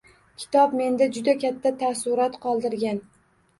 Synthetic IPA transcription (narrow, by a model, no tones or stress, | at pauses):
kʲʰɪ̥t̪ʰɒb̚me̞nd̪ad͡ʒʊd̪akʲʰat̪ʰːat̪ʰasʊɾat̪qʰɒlˠd̪ɪɾɡʲan